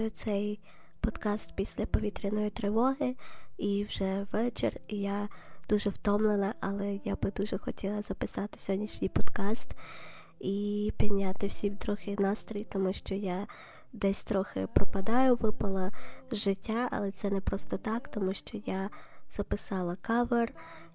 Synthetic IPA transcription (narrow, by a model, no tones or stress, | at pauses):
jʊt̪sɛj | pɔd̪kɑst̪̚pʲisʲlʲɐpɔʋʲit̪ɾʲɐnɔjit̪ɾɪʋɔɦɪiwʒɛʋɛt͡ʃḛrijad̪uʒɛwt̪ɔmlˠenɐʔɐlˠɛjabɪd̪uʒɛxɔtʲilˠɐzɐpɪsɑt̪ɪ̥sʲɔɦɔdʲnʲiʃnʲijpɔd̪kɑst̪ | ipʲid̪nʲat̪ɪwsʲiwt̪ɾɔxɪnɑst̪ɾɔjit̪ɔmuʃt͡ʃɔja | d̪ɛsʲt̪ɾɔxɪ̰pɾɔpɐd̪ɑjʊʋɪpɐlˠɐʒɪtʲːaɐ̰lˠɛt̪sɛnɛpɾɔst̪ɔt̪ɑkt̪ɔmuʃt͡ʃɔjaz̥ɐpɪsɑlˠɐkɑʋer